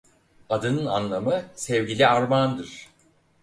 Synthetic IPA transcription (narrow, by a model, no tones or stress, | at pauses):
ad̪ɯnɯnanlˠamɯsɛvɟilʲiaɾmand̪ɯɾ̥